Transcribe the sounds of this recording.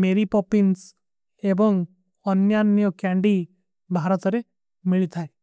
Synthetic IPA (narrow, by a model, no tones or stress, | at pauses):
meɾipɔpins | ebɔŋ | ɔnjanjɔkjaɳɖi | bʱaɾɔt̪ɔɾe | miɭit̪ʰae